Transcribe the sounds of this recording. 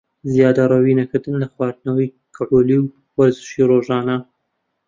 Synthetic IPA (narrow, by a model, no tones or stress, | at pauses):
zijɑːd̪ɐɾˤawiːnɐkɨɾd̪ɨnlɐxwɑːd̪̚nɐwij | kʰɨʕuliw | wɐɾzɨ̥ʃiɾoʒɑːnɐ